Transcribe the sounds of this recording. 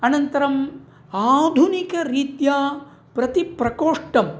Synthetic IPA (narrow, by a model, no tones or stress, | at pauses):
ɐnɐnt̪ɐɾɐm | aːd̪ʱunikɐɾiːt̪jaː | pɾɐt̪ipɾɐkoːʂʈɐm